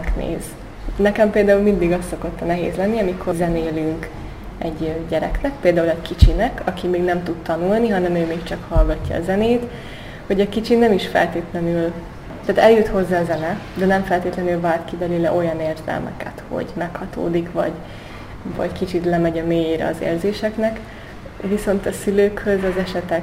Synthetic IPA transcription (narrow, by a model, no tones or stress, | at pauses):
knḛːz | nɛkɛmpeːld̪aːulmind̪iɡɒst̪ːo̞ko̞t̪ːɒnɛɦḛːzlɛnːiɒmikʰozɛneːlyŋk | ɛɟɟɛɾɛ̰knɛk̚peːld̪aːulɛɟkit͡ʃinɛkʰɒkimeːɡnɛmt̪ut̪t̪ɒnulniɦɒnɛmøːmeːkt͡ʃɒkhɒlɡɒcːɒ̰ːzɛneːt̪ | ho̞ɟɒkit͡ʃinɛmiʃfɛ̰lt̪eːt̪lɛnyl | t̪aːt̪ɛljyt̪ho̞zːaːzɛnɛ | d̪ɛnɛɱfɛlt̪eːt̪lɛnylvaːrt̪kibɛlylɛʔo̞jɒneːrzɛ̰lmɛ̰kɛ̰t̪ho̞̰ɟmɛkhɒt̪o̰ːd̪ikʋɒ̰ɟ | vɒ̰ɟkit͡ʃit̪lɛmɛɟɒmeːjeɾɛ̰ɒzḛːrzeːʃɛknɛk | viso̞nt̪ɒsyløːkhø̞zɒzɛʃɛt̪ɛ